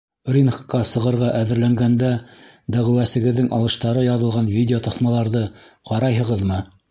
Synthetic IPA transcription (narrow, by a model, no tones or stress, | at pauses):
rʲinχqːɑsɤ̆ʁɤ̆ɾʁɑʔæðɘ̆ɾlæŋɡænd̪æ | d̪æʁɘ̆wæsɘ̆ɡɘ̆ðːɘŋʔɑ̰lˠɤ̆ʃt̪ɑɾɤjɑðɤ̆lˠʁɑnvʲidʲeot̪ɑθmɑlˠɑɾðɤqɑɾɑjɦɤ̆ʁɤðmɤ